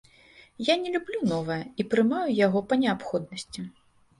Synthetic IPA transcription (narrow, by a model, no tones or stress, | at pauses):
janʲɛlʲublʲunɔvɐjɐipɾɨmajujaɣɔpɐnʲɛapxɔd̪̚nɐsʲt͡sʲi